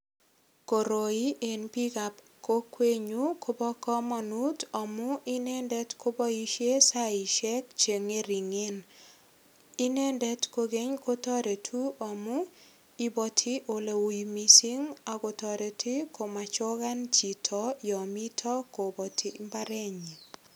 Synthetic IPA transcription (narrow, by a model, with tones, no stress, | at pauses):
ko˨ɾo˨i˦ʔe˨npi˦ka˨p | ko˦kwe˦ɲu˦ko˦bɔ˦kɔ˦ma˨nu˦tɔ˨mʊ˦ʔi˦nɛ˦ndɛ˦tko˦bɔ˦i˦ʃe˦sa˦i˨ʃɛ˦k̚t͡ʃe˨ŋe˦ɾi˨ŋe˦n | i˦nɛ˦ndɛ˦tko˦˧ɡe˦ɲko˦tɔ˦ɾe˨tʰu˦ɔ˨mʊ˦ | i˦bɔ˦tʰi˦ʔo˨le˨wu˨mi˦si˦ŋa˨ko˧tɔ˨ɾe˨ti˦ko˨ma˨t͡ʃɔ˦ɡa˦nt͡ʃi˨tʰɔ˦jɔ˨mi˦tʰɔ˦ko˨bɔ˨tʰi˦mba˦ɾɛ˦ɲi˨